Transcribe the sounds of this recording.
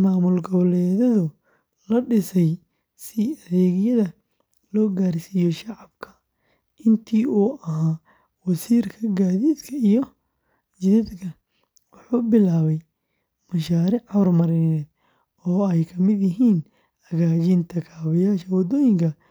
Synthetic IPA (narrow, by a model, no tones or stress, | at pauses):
maːmʊlɡɔβlɛːðɐðʊ | lɐɖɪsɛj | sɪɐðɛːɣɪjɐðɐ | lɔːɡaːrsiːjɔʃɑʕɑbkʰɐ̥ | ʔɪnt̪ʰiːuːʔɐɦaː | wɑsiːrkʰɐɡaːðiːd̪kʰɐijɔ | d͡ʒɪðɐd̪kʰɐ | wɑħuːbɪlaːβɛj | mɐʃaːɾɪʕʕɔrmɐɾɪnɛːd̪ | ɔːɛjkʰɐmɪd̪jɪɦiːn | ɐɣaːt͡ʃint̪ʰɐkʰaːβɐjaːʃɐwɐd̪ɔːjɪŋkʰɐ